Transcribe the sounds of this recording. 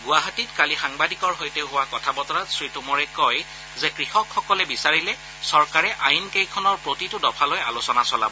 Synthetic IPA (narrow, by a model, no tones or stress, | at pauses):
ɡʊaɦatitkalixaŋbadikɔɹɦojtɛɦʊwakɔtʰabɔtɔɹatsɹitumɔɹɛkɔj | zɛkɹixɔkxɔkɔlɛbisaɹilɛ | sɔɹkaɹɛʔajnkejkʰɔnɔɹpɹotitʊdɔpʰalɔjalosɔnasɔla̰bɔ